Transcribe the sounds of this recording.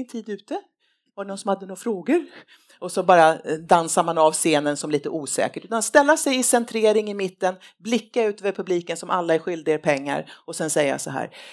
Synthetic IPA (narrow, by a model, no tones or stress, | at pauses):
ŋt̪ʰiːd̪ʉ̟ːt̪ə | vaɖɛnɔnsɔmhad̪ːənʊːɾafɾoːɡəɾ | ʔɔsɔbɑːɾad̪ansamanɑvseːnənsɔmliːt̪əʔuːsɛ̰ːkəʈʉ̟ːt̪anst̪ɛlːasɛjɪsɛnt̪ʰɾeːɾɪŋɪmɪt̪ːən | blɪkːaʉ̟ːt̪øːvəɾpʰɵbliːkənsɔmʔa̰lːaæɾɧʏld̪ɪɡaɾpʰɛŋːa̰ɾɔsɛnsɛjːa̰sɔɦæ̰ːɾ